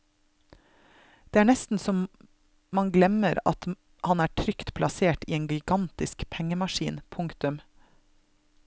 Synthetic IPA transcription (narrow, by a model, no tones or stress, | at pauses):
d̪̥eːæːɳɛst̪n̩sɔm | mɑŋɡlɛməɾɑ̰t̪ | hɑnæːʈʰɾʏkt̪pʰlɑseːʈiːeːnɡɪɡɑnt̪ɪskpʰɛŋəmɑʃḭːnpʰʊŋkt̪ʉm